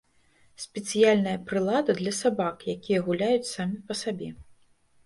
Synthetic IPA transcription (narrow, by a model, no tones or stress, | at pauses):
sʲpʲɛt̪sɨjalʲnɐjɐpɾɨlˠad̪ɐd̪lʲɐsabakjakʲijɐɣulʲajut͡sʲsamʲipɐsabʲɛ